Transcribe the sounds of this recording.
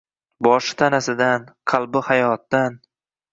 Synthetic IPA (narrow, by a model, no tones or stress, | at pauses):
bɒʃɪ̥t̪ʰanasɪd̪anqʰɑlˠbɪhajɒt̪̚ːan